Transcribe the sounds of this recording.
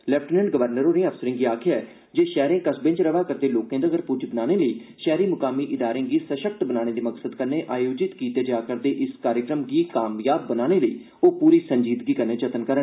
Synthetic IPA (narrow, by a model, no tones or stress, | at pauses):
lɛːpʰʈːnə̃ɳɖɡəʋəɾnəɾõːɾĩːəfsəɾɪ̃ŋɡiːaːkʰɪjaːɛː | d͡ʒeːʃɛːɾẽːkəsbɪ̃nt͡ʃɾəʋaːkəɾd̪eːloːkẽːd̪aːɡəɾpʊɾd͡ʒbənaːneːləiːʃɛːɾiːmʊkaːmiːʔɪd̪aːɾẽːɡiːsəʃək̚t̪bənaːɽ̃eːd̪iːməksəd̪kənːeːʔaːjoːd͡ʒɪt̪kiːt̪eːd͡ʒaːkəɾd̪eːʔɪskaːɾjəkɾəmɡiːkaːmjaːb̚ːənaːneːləiː | oːpuːɾiːsəɲd͡ʒiːd̪ɡiːkənːeːt͡ʃət̪ənkəɾən